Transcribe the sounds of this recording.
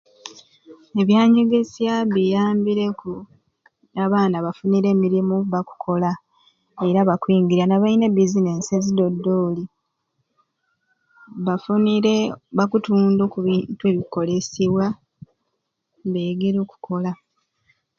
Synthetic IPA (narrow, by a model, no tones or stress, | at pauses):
e̞βjaːɲeɡe̞sjaβijaːmbiɾe̞ku | aβaːnaβafuniɾe̞ːmiɾimuβaku̥kʰo̞la | e̞ɾaβakwiːŋɡiɾanaβaine̞bizine̞sezido̞dːo̞ːli | βafunieβakutuːndokuintue̞βiko̞le̞siβwa | βeɡeɾo̞ːku̥ko̞la